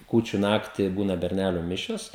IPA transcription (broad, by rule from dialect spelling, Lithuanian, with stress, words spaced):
ˈkuːt͡ʃʲʊ ˈnɑːktʲɪ ˈbuːnɐ bʲɛrʲˈnʲælʲuː ˈmʲɪʃʲoːs